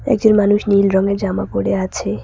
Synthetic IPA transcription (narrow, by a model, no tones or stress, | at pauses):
ɛ̰k̚d͡ʑonmanuʃnilɾɔŋed͡ʑamapoɽeat͡ɕʰe